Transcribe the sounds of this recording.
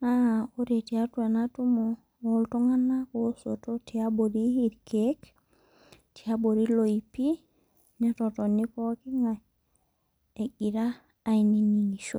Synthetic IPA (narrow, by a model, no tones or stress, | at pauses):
naoɾetiatuenatumo | oltoŋanːakosototiaboɾiiɾkek | tiaboɾiloipi | netotonːikokiŋa | eɡiɾaː | jniniŋiʃo̰